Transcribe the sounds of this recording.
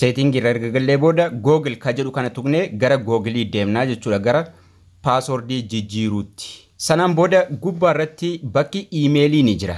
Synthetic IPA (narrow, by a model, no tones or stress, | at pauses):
seːt̪ɪŋɡɪrːɐɛɾɡɐɡɐlːe̞ːbo̞ːd̪ɐɡo̞ːɡɪlkɐd͡ʒɛᶑʊkɐnɐt̪ʊkneːɡɐɾɐɡoːɡɪliːd̪e̞ːmnaːd͡ʒɛt͡ʃːuːᶑɐɡɐɾɐ | paːsɔɾd̪iːd͡ʒɪd͡ʒːiːɾuːt̪ːɪ̥ | sɐnaːnboːd̪ɐɡʊbːaːɪrːɐt̪ːɪbɐkːɪiːme̞ːliːnɪd͡ʒɪɾɐ